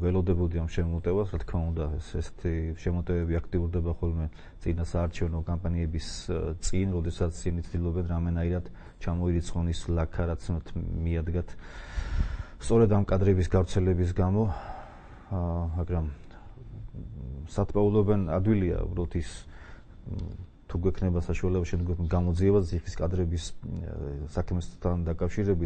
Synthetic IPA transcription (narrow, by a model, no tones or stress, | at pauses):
vɛlˠɔd̪ɛbud̪iamʃɛmɔt̪ʼɛvasɾat̪ʰkʰmaund̪aɛsɛsɛ̥t̪ʰiʃɛmɔt̪ʼɛvɛbiakʰt̪ʼiuɾd̪ɛbaχɔlˠmɛ | t̪sʼinasaːɾt͡ʃʰɛvnɔkʼampʼaniɛbist̪sʼinɾɔd̪ɛsat̪st̪ʼinit̪sʰd̪ilˠɔbɛnɾamɛnaiɾad̪̥ | t͡ʃʰamɔiɾit̪sʰʼqʼɔnislakʰaɾat̪sʰmɛt̪ʰmiad̪ɡat̪ʰ | st̪sʼɔɾɛd̪amkʼad̪ɾɛbisɡavɾt̪sʰɛlɛbis̬ɡamɔ | maɡɾam | sat̪ʰpʼaulˠɔbɛna̰d̪wilia̰ṵbɾalˠɔt̪ʰis | t̪ʰuɡwɛkʰnɛbasaʃualɛbaʃɛmd̪ɡɔɡamɔd̪ziɛβasziχiskʼad̪ɾɛbis | sakʰmɛst̪ʰːand̪akʼafʃiɾɛbit̪